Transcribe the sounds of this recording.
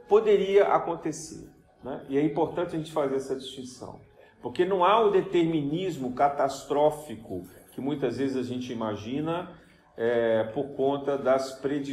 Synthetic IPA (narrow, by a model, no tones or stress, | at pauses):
pod̪eɾiɐʔa̰kõnt̪esḛɾ | nɛ̰ʔɪɛĩpoɾt̪ɐ̃t͡ʃɪɐʒẽt͡ʃɪ̥fazeɾɛsɐd͡ʒist͡ʃĩsɐ̰̃w̃ | poɾkenɐ̃w̃aʊd̪et̪eɾminizmʊkat̪ast̪ɾɔfikʊkɪmũj̃t̪ɐzvezɪzaʒẽnt͡ʃɪimaʒĩnɐ | ɛpoɾkõnt̪ɐd̪ɐspɾed͡ʒi